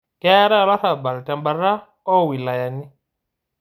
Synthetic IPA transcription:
kɛ˦ɾa˦la˦θa˨ba˨lta˨mba˨ɾa˦ | ɔ˦˨wi˨la˨ja˨ni˦

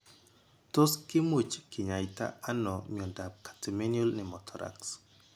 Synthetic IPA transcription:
to˦skɪ˦mwo˨t͡ʃkɪ˨ɲa˨jta̰˦a˦nɔ˨mi˨ɔ˨nda˨p̚kḁ˨tɛme˦niɔ˦lnɪ˨mɔtʰɔ˨ɾʔa̰ks

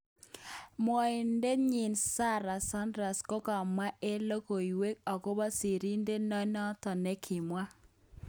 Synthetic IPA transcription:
mwɔ˨i˨nde˦ɲi˨nsa˦ɾa˨sa˦ndɾa˨sko˦ka˨mwa˦ʔe˦lo˦ko˨i˨we˦k̚ɔ˨ko˦bɔ˦si˨ɾi˦nde˦nɔ˦nɔ˦tɔ˨nɛ˦kʰɪ˨mwa˦

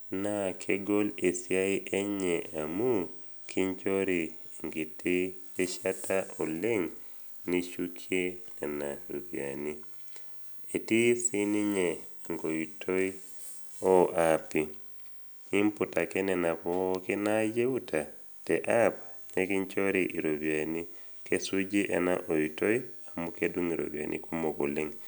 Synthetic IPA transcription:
na˦˨kʰe˦ɡo˦le˨sja˦i˦ʔɛ˦ɲɛ˨a˨mu˦ | kʰi˦ɲt͡ʃo˦ɾi˨ŋɡɪ˨tɪ˦e˦ʃa˦ta˦ʔɔ˨le˦ŋ | ni˦t͡ʃu˦kʰje˦nɛ˨na˨ɾṵ˨bja̰˨ni˦ | e˨ti˦sɪ˦ni˦ɲɛ˨ | aŋɡojitʰoi | ɔʔapi | i˦mputa˨ke˦nɛna˨kɔkenaje˦u˦tʰa˨ | teʔapa˨ɲe˦ki˦ɲt͡ʃoɾiʔi˨ɾobiani˦ | kesud͡ʒi˦ʔḛna̰ʔo˨juto˦iamukedu˦ŋiɾʔo̰bia̰nʔḭku˦moko̰˨le˦ŋ

